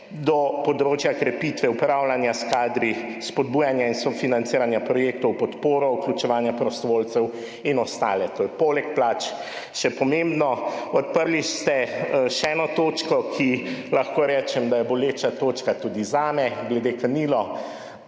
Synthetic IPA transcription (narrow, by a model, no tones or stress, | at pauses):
d̪ɔpɔd̪ɾoːt͡ʃjakɾɛpit̪ʋɛupɾawlanjaskaːd̪ɾispɔd̪̚buːjanjainsɔfinant̪siːɾanjapɾɔjek̚t̪ɔwpɔt̪poːɾɔuklʲut͡ʃɛʋaːnjapɾɔst̪ɔʋoːlt̪sɛw | inɔst̪a̰ːlɛt̪oːjɛpoːlɛkplat͡ʃ | ʃɛpɔmẽmbnɔɔt̪̚pəɾliʃst̪ɛʃɛɛːnɔt̪oːt͡ʃkɔkʰilaxkoːɾɛːt͡ʃɛmd̪ajɛbɔleːt͡ʃat̪oːt͡ʃkat̪uːd̪izaːmɛɡlɛd̪ekaniːlɔ